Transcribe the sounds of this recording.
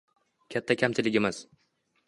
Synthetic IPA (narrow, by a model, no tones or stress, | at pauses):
kʲʰat̪ʰːakʲʰamt͡ʃʰɪlɪɡʲɪmɪz̥